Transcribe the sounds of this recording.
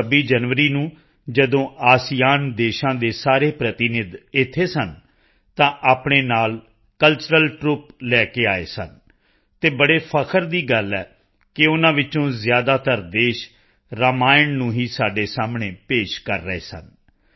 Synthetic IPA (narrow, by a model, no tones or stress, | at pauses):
əbiːd͡ʒənʋəɾiːnũː | d͡ʒəd̪õːʔaːsijaːnd̪eːʃãːd̪eːsaːɾeːpɾət̪ɪnɪd̪ɪt̪ʰːeːsən | t̪ãːʔaːpɳeːnaːl | kəlt͡ʃəɾəlʈɾuːplɛːkeːaːḛːsən | t̪eːbəɽeːpʰəkʰəɾd̪iːɡəlɛ̰ː | kɪʊnãːʋɪt͡ʃõːzɪjaːd̪aːt̪əɾd̪eːʃ | ɾəmaːɪnnũːɦiːsaːɖeːsaːmɳeːpeːʃkə̰ɾːəḛːsə̰n